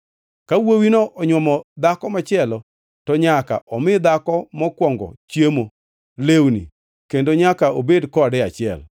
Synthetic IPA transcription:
kawowinoʔɔɲwɔmɔd̪akɔmat͡ʃɪɛlɔ | tɔɲaka̰ʔɔmɪd̪akɔmɔkwɔŋɡɔ̰t͡ʃjemo | lewnḭ | kendoɲakaobedkɔdɛat͡ʃɪɛ̰l

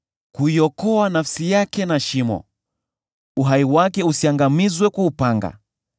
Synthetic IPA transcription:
kuiɔkɔanafsijakɛnaʃimɔ̰ | uɦaiwakɛusiaŋɡamizwɛkuupaŋɡa̰

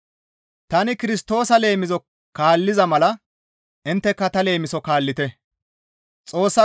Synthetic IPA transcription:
t̪ɐnɪkɪɾɪst̪o̞ːsɐle̞ːmɪzɔ | kaːlːɪzɐmɐlɐ | ʔɪnt̪ːɛkːɐt̪ɐle̞ːmɪsɔkaːlːɪt̪ɛ | t͡sʼo̞ːsːɐ

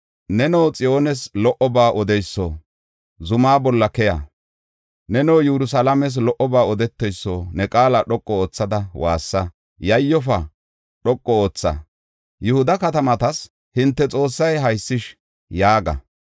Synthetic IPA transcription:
nɛnɔwt͡sʼɪjo̞ːnɛslɔʔɔbaːʔɔd̪ɛjsːɔ | zʊmaːbɔlːɐkɛja̰ | nɛnowjɛɾʊs̬alɐmɛs̬lɔʔɔbaːɔd̪ɛt̪ːɛjsːoːnɛkʼaːlɐɗɔkʼːɔoːt͡sːɐd̪ɐwa̰ːsːɐ | jɐjːɔfɐ | ɗɔkʼːɔoːt͡sːɐ̰ | jʊhʊd̪ɐkɐt̪ɐmɐt̪ɐs | hɪnt̪ːɛt͡sʼo̞ːsːɐjɦɐjsːɪʃ | jaːɡɐ̰

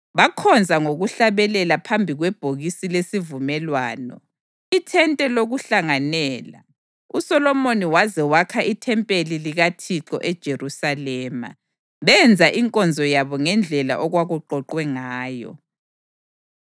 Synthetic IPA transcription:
βakʰɔnd͡zʱaŋoɣuɬaβɛlɛlapʰambʱiɣwɛb̥ʱoɣisilesivumɛlwaːnɔ̰ | itʰɛntʼɛloɣuɬaŋanɛːla̰ | usɔlɔmoniwazɛwakʰaʔitʰɛmpʼeliliɣatʰiǁɔ̰ʔɛd̥ʒ̥ʱerusalɛːma̰ | βɛnd͡zʱaʔiŋkʼɔnd͡zʱɔjaβɔŋɛnd͡ɮʱɛla̰ʔɔɣwaɣuǃɔǃwɛŋaːjɔ̰

